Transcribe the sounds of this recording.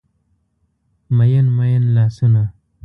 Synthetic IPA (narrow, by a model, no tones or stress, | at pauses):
mɐjɐnmɐjɐnlaːsuna